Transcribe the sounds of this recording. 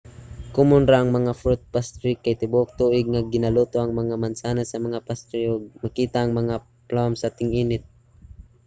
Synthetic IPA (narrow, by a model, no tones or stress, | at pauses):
kʊmʊnɾaʔɐŋmɐŋafɾʊt̪̚past̪ɾɪkːajt̪ɪbuʔʊk̚t̪uʔɪɡ̚ŋaɡɪnaluːt̪oʔaŋmaŋamansaːnasɐmɐŋapast̪ɾioɡ̚makiːt̪aːŋmɐŋa | plamsat̪ɪŋiːnɪt̪̚